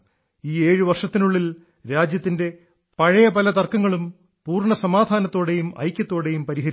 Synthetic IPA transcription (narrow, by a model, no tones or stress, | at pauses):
iːe̞ːɻɨʋɐrʂɐt̪ːinuɭːil | ɾaːd͡ʑjɐt̪ːinde̞ | pɐɻɐjɐpɐlɐt̪ɐrkɐŋːɐɭum | puːrɳɐsɐmaːd̪ʱaːnɐt̪ːo̞ːɽe̞jumɐ̰jkʲːjɐt̪ːo̞ːɽe̞jumpɐɾiɦɐɾ